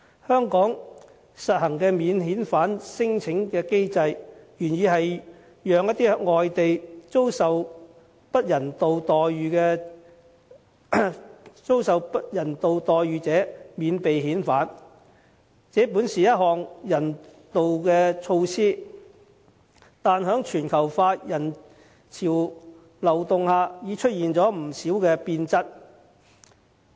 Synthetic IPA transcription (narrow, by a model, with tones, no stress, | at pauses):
hœː˥ŋkɔː˨˥ŋ | sɐ˨t̚hɐ˨˩ŋkɛː˧miː˨˧nɦiː˨˥nfaː˨˥nsɪ˥ŋt͡sʰɪ˨˥ŋkɛː˧ke˥jt͡sɐ˧jjyː˨˩njiː˨ɦɐ˨j | jœː˨˧ŋjɐ˥t̪̚iː˥˧ŋɔː˨jt̪e˨jt͡so˥wsɐ˨w | pɐ˥t̚jɐ˨˩nt̪o˨wt̪ɔː˨jːyː˨˧kɛː˧ | t͡so˥wsɐ˨wpɐ˥t̚jɐ˨˩nt̪o˨wt̪ɔː˨jɥyː˨˧t͡sɛː˨˥miː˨˧npe˨jɦiː˨˥nfaː˨˥n | t͡sɛː˨˥puː˨˥nsiː˨jɐ˥t̚ɦhɔː˨ŋjɐ˨˩nt̪o˨wkɛː˧t͡sʰo˧wsiː˥ | t̪aː˨nɦœː˨˥ŋt͡ʃʰyː˨˩nkʰɐ˨˩wfaː˧˥t̚jɐ˨˩n | t͡sʰiː˨˩w | lɐ˨˩wt̪ʊ˨˧ŋhaː˧jiː˨˧t͡ʃʰɵ˥t̚jiː˨nt͡sɔː˨˥m̩˨˩siː˨˥wkɛː˧piː˧nt͡sɐ˥t̚